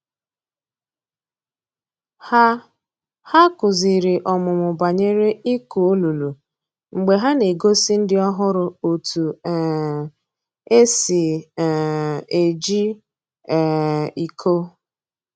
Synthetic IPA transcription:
ha˦ | ha˦kʊ˨zi˨ɾɪ˨ʔɔ˨mʊ˨mʊ˨ba˨ɲe˦ɾe˦i˦ku˨o˦lu˨lu˨ | ŋ͡m̩˨ɡ͡be˨ɦa˦ne˨ɡo˦si˦n̩˦dɪ˦ɔ˦ɦʊ˦ɾʊ˨o˨tu˨˦ | e˦sɪ˨ | e˨d͡ʒi˦˨ | i˨kʰo˦

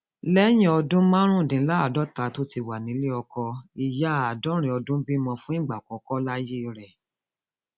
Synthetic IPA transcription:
lɛ˦j̃ĩ˦ɔ˧dũ˦mã˦ɾ̃ũ˦˨dĩ˨˦la˦a˦˨dɔ˦ta˨˦to˦ti˧wa˨nĩ˨˦li˦ɔ˧kɔ˧i˨ja˨˦˨a˨dɔ˨˦ɾ̃ĩ˧˦ɔ˧dũ˦bi˦mɔ̃˧fũ˦ĩ˦˨ɡ͡ba˨kɔ˨˦kɔ˦la˦je˦˧ɾɛ˨

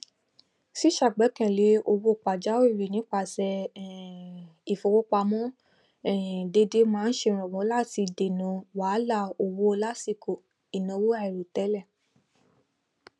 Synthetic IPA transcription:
si˦ʃa˦˨ɡ͡bɛ˨˦kɛ̃˨le˨˦o˧wo˦˨k͡pa˨d͡ʒa˦o˦i˦˨ɾi˨nĩ˨˦k͡pa˧˨sɛ˧˨ | i˨fo˧wo˦k͡pa˧mɔ̃˦ | ɛ˦˨de˧de˧˦mãː˦˧n̩˦ʃe˧˨ɾ̃ɔ̃˨wɔ̃˨˦la˦˨ti˧de˨nɔ̃˨˧wa˨˦la˦˨o˧wo˦˧la˦si˧˨ko˨ | i˨nɔ̃˨˧wo˦a˦ɛ˨ɾo˨tɛ˨˦lɛ˦˨

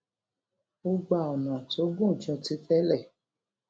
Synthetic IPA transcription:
o˦ɡ͡ba˧˨ɔ˨nũ˨a˨to˨˦ɡũ˦˨t͡ʃɔ̃˧ti˦tɛ˦lɛ˦˨

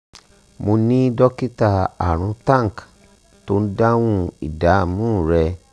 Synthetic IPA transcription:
mo˧nĩ˦dɔ˦ki˦ta˧a̰˨ɾ̃ũ˨˧˦tã˦˨ŋ˨k | to˦n̩˦dã˦wũ˧ḭ˨da˨˦˨mũ˦˨ɾɛ˧

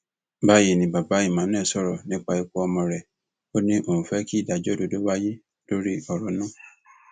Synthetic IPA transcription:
ba˦je˨nĩ˨ba˨ba˨˦i˦˨mã˨˦nɛ̃ː˦˨sɔ˦˨ɾɔ˨nĩ˦k͡pa˧i˧ku˦ɔ˧mɔ̃˧˨ɾɛ˨ | o˦nĩ˦ʔo˨ũ˨fɛ˨˦ki˦i˦˨da˨d͡ʒɔ˦do˧do˦wa˦ji˦ | d̥o˦ɾi˦ɔ˨ɾɔ˨˦nã˦˨

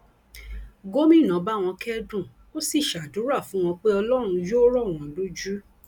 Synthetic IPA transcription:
ɡo˦mĩ˦˨nã˨˦ba˦˨w̃ɔ̃˧kɛ˦dũ˦˨ | o˦si˦˨ʃa˨du˨˦ɾa˦˨fũ˨˦w̃ɔ̃˧k͡pe˦ɔ˧lɔ˦ɾ̃ũ˧jo˦ɾɔ˦˨w̃ɔ̃˨lo˦d͡ʒu˦

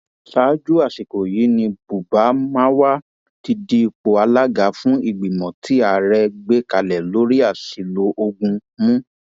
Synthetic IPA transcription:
saː˨˦d͡ʒu˦a˦˨si˨ko˨ji˨˦nĩ˧bu˨ba˨˦mã˦wa˦ | ti˧di˦˧k͡po˨a˧la˦ɡa˨˦fũ˦i˦˨ɡ͡bi˨mɔ̃˨tʰi˨˦a˨ɾɛ˧ɡ͡be˦ka˧lɛ˨lo˨˦ɾi˦a˦˨si˨lo˨˦ʔo˧ɡũ˧mũ˦

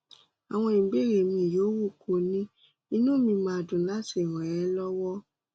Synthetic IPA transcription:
a˨w̃ɔ̃˧i˨ɡ͡be˦˨ɾe˨mĩ˧˨joː˨˦wu˦˨kʰo˧˨nĩ˦ | i˧nũ˦mĩ˧mã˧˦˧dũ˨la˦si˦˨ɾ̃ɔ̃˨ɛ˧˦lɔ˦wɔ˦

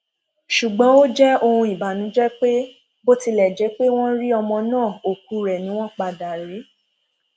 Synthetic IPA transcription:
ʃu˨ɡ͡bɔ̃˨˦o˦d͡ʒɛ˦o˧hũ˧i˨ba˨nũ˨˦d͡ʒɛ˦k͡pe˦ | bo˦ti˧lɛ˨d͡ʒɛ˨˦k͡pe˦w̃ɔ̃˦ɾi˦ɔ˧mɔ̃˧nãː˦˨o˨k̚u˨˧ɾɛ˨nĩ˦w̃ɔ̃˦k͡pa˧da˨ɾe˨˦

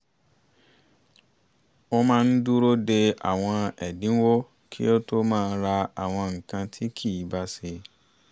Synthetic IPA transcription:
o˦mãː˦˧n̩˦du˦ɾo˦de˧a̰˨w̃ɔ̃˧ɛ˨dĩ˨˦wo˦ | kʰḭ˦o˦to˦mãː˦˧n̩˦ɾa˧a˨w̃ɔ̃˧ŋ̩˨kã˧tʰi˦kʰi˦˨i˨˦ba˦se˧

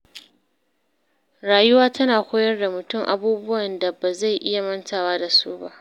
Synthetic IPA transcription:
ɾaː˨jʊ˦waː˦tɐ˦naː˨kʷoː˦jɐ˦rda˨mʊ˨tʊ˦˨ŋʔa̰˨buː˦bʊ˦wɐ˨nda˨ba˨za˦˨jʔɪ˦ja˨mɐ˦ntaː˨waː˦da˨suː˦ba̰˦ʔ

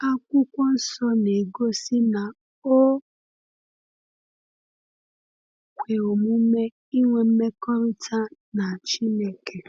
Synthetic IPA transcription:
a˦kʷʊ˦kʷɔ˦n̩˦sɔ˦ne˨ɡo˦si˦na˨ | o˦ | kʷe˨o˨mu˦m̩˦me˦ | i˦ŋʷe˦m̩˦me˦kɔ˦ɾ̩˦tʰa˦ | na˨t͡ʃi˦ne˨ke˨

